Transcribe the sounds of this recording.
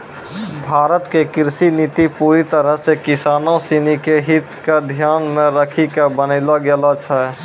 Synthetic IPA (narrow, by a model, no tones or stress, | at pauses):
bʱaːɾət̪kekɪɾsinit̪ipuːɾit̪əɾəɦsekɪsaːnosinikeɦit̪ked̪ʱjaːnmẽɾəkʰikebənəɪlaɡelat͡ʃʰɛ